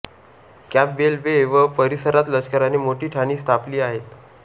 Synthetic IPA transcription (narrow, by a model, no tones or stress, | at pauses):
kæp̚belbeːʋəpəɾisəɾat̪lət͡ɕkəɾaneːmoʈiːʈʰañiːst̪ʰapliːaɦet̪